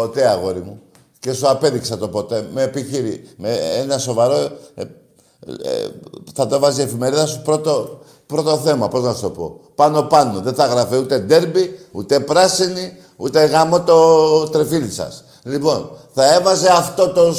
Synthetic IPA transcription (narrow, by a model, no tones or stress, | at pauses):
pot̪eɐɣo̞ɾimu | ce̞suape̞ðiksɐt̪o̞po̞t̪e̞meːpiçiɾimeenɐso̞vaɾo̞ | θɐt̪oevɐzie̞fime̞ɾiðɐsupɾo̞t̪o | pɾo̞t̪o̞θe̞mɐpo̞znɐst̪o̞po̞̰pɐno̞pɐno̞ðeθɐɣɾɐfiut̪e̞d̪e̞ɾbiṵt̪e̞pɾɐsini | ut̪eɣamo̞t̪o̞t̪ɾefilisɐ̰s | lipo̞nθɐe̞vɐzeɐft̪o̞t̪o̞